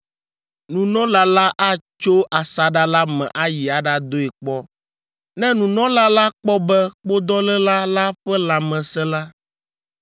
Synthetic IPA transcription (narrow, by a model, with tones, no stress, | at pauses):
nũ˨nɔ̃˦la˨la˦ʔa˦t͡ʃo˦ʔa˨sa˨ɖa˦la˦mɛ̰̃˨ʔa˦ji˨a˨ɖa˦d̪o˦ɛ˨k͡pɔ˦ | nɛ̃˦nũ˨nɔ̃˦la˦la˦k͡pɔ˦bɛ˦k͡po˦d̪ɔ˦lɛ˦la˦la˦ɸɛ˦la˨mɛ̃˨sɛ̃˦la˦